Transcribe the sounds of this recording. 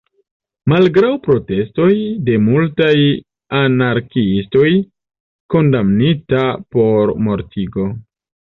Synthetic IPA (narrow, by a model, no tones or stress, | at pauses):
malɡɾawpɾo̞te̞sto̞jde̞multaj | anaɾkiisto̞j | ko̞ndamnitapo̞ɾmo̞ɾtʰiɡo̞